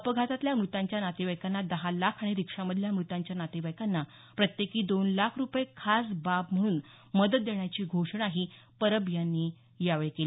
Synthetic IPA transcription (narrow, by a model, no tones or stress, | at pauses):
əpəɡʱat̪at̪ljamɾut̪ãɲt͡ɕjanat̪iʋəjkanːad̪əɦalakʰaɽ̃iɾikʂaməd̪ʱljamɾut̪ãɲt͡ɕjanat̪iʋəjkanːa | pɾət̪jekiːd̪onlakʰɾupjekʰasbapm̤əɽ̃uːn | məd̪ət̪̚d̪eɳjat͡ɕiːɡʱoʂɳaɦipəɾəbjanːiː | jaʋɭekeli